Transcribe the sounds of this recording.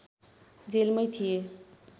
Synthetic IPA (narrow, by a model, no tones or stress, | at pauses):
d͡zelmʌjt̪ʰije